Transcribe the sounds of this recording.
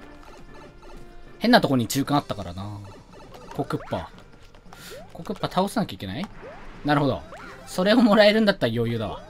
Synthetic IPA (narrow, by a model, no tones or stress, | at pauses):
hẽ̞nːat̪o̞koɲ̟it͡ɕɨːkãat̪ːakaɾa̰na | ko̞kɯ̟pːa̰ | ko̞kɯ̟pːat̪ʰao̞senakʲaikʲe̞nainaɾɯ̟ho̞d̪o̞̰so̞ɾe̞o̞mo̞ɾae̞ɾɯ̟̃nd̪at̪ːajo̞ːjɯ̟ːd̪aβa̰